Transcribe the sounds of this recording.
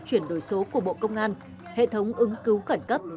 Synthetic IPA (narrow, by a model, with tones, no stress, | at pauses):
t͡ɕwi˧˩ənɗo˧˩jso˨˦ku˧˩əɓo̰˧˨kə˧wŋ͡mʔaː˧n | hḛ˧˨t̪ʰə˨˦wŋ͡mʔɨ˨˦ŋkɨ˨˦wxə˧˩nkə˦˥p̚